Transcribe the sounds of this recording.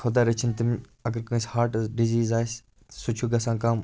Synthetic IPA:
xod̪aːɾɐt͡ʃʰənt̪ɐmɐɡəɾkõːĩshaːɾʈɖiziːzaːjs | sʊt͡ʃʰuɡɐsãːkaːm

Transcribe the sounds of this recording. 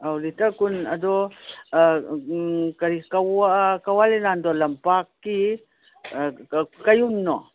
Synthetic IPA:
awlitakunɐdo | kɐɾikawakawalenandolɐmpakːi | kajunːo

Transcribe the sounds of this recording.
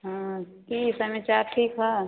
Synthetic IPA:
ɦãkiːsɐmẽt͡ʃaːɾʈʰiːkɦa

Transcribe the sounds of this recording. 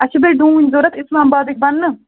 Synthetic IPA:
ɐt͡ʃʰibeɖũːinʲzoɾɐt̪ɪslaːmbaːd̪ik̚bɐnːɨ

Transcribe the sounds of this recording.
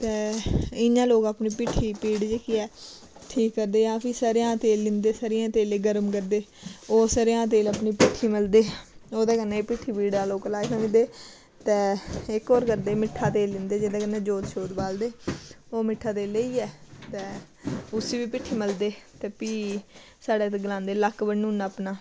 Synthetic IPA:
t̪ɛːɪnãːloːkaːpniːpɪʈʰːiːpiːɽd͡ʒeːkiːɛː | ʈʰiːkːəɾd̪eːjãːpʰisəɾjãːt̪eːlːɪnd̪eːsəɾɪjãːt̪eːleːɡəɾəmkəɾd̪eːoːsəɾejãːt̪̬eːləpɳiːpɪʈʰiːməld̪eːoːd̪aːkənːeːpɪʈʰːiːpiːɖ̪aːloːklaːkãɪ̃nd̪eː | t̪ɛːɪkɔːɾkəɾd̪eːmɪʈʰːaːt̪eːlːɪnd̪eːd͡ʒeːd̪aːkənːẽːd͡ʒoːt̪ʃoːd̪baːld̪eːoːmɪʈʰːaːt̪eːleiːɛːt̪ɛ̃ː | ʊsiːʋiːpɪʈʰːiːməld̪eːt̪ɛːpiː | saːɖeːt̪eɡəlãːnd̪eːləkbənũːnaːpnaː

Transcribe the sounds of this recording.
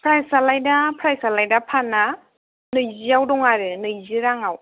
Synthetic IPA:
pʰɾajsalajdapʰɾajsalajdapʰana | nɯjziawdɔŋaɾɯnɯjziɾaŋaw

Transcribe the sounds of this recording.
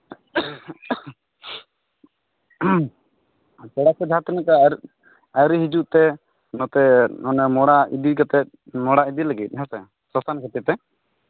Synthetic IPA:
sɛɽakɔd͡ʒʱat̪inakaɾ | ajɾiɦid͡ʒuʔt̪ɛ | nɔt̪ɛɔnɛmɔɽaid̪ikat̪ɛt̪̚mɔɽaid̪ilaɡit̪̚ˀɦɛsɛ | sɔstankʰɛt̪ɛt̪ɛ

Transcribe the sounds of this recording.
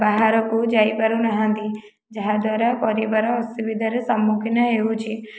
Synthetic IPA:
baɦaɾɔkud͡ʒaːipɐɾunɐɦãnd̪i | d͡ʒɐɦad̪waːɾapɔɾiʋəɾɔːsiʋɪd̪ʱəɾsɐmːukʰɪnaɦeut͡ʃʰi

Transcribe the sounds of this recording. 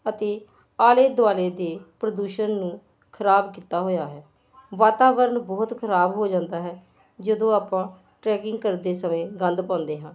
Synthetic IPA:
ət̪eː | aːleːd̪aːleːd̪eːpɾəd̪uːʃənːũː | kʰəɾaːbkiːt̪aːɦoːjaːɦɛː | ʋaːt̪aːʋəɾnbɔːt̪kʰəɾaːbɦoːd͡ʒãːnd̪aːɦɛː | d͡ʒəd̪õːaːpãː | ʈɾɛːkɪŋɡ̚kəɾd̪eːsəmẽːɡə̃nd̪pãːnd̪eːɦãː

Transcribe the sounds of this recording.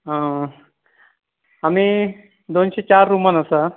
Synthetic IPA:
ɦə̃ | ami | d̪onɕet͡ɕaɾːumənəsa

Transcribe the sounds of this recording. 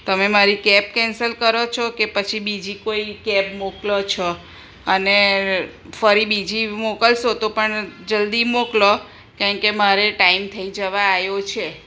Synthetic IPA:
t̪əmemaɾikɛp̚kɛnsəlkəɾot͡ʃʰokepət͡ʃʰibid͡ʒikoikɛpmoklot͡ʃʰo | əne | fəɾibid͡ʒimokəlʃot̪opəɳd͡ʒəld̪imoklo | kãɳkemaɾeʈaimt̪ʰəid͡ʒəʋaːjot͡ʃʰe

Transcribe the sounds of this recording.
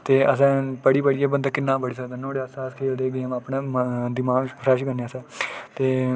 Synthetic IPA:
t̪eːəs̬ɛ̃ːpəɽiːpəɽiːɛːbənd̪aːkɪnːãːbəɽiːs̬əkd̪aːnõːɽeːəsaːskʰeːld̪eːɡeːmaːpɳãːd̪iːmãːpʰɾɛːʃkəɾneːəsɛ̃ːt̪eː

